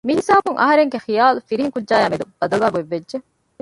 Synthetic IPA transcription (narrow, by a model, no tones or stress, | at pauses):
mihisaːbuŋʔɐ̰ɦɐɾeŋɡexijaːlufiɾiɦiŋkudʒaːjaːmid̪ub̥ɐd̪ɐlaːɡeʋːedʒe